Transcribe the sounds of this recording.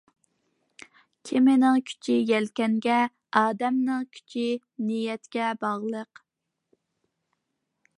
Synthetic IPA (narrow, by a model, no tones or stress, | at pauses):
kʲʰɪmɪnɪŋkʲʰy̥t͡ʃʰɪjɛlkʲɛŋɡʲɛ | ɑːd̪ɛmnɪŋkʲʰy̥t͡ʃʰɪ | nijɛt̪kʲɛbɑʁlˠəq